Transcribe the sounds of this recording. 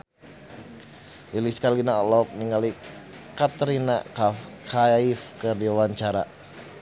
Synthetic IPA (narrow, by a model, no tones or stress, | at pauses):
liliskalinaɔlɔk̚niŋalikat̪əɾinakakʰaifkərdiwaɲt͡ʃaɾa